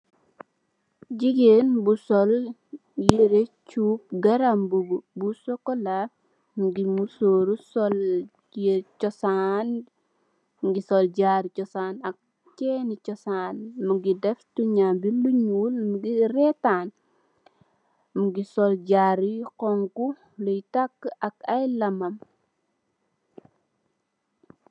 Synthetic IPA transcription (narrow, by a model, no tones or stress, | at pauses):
d͡ʒiɡenbusɔl | jiɾet͡ʃuːp̚ɡɐɾambuɡbusɔkɔla | muɡimusoːɾusɔl | et͡ʃɔsan | ɡisɔlɟaɾit͡ʃɔsanak̚ | cɛnicɔsaːnmuɡidɛftuɲabiluɲuːlmuɡirɛtaːn | muɡisɔlɟaːɾijqɔŋku | lɔjtakːʔɐkajlɐmɐm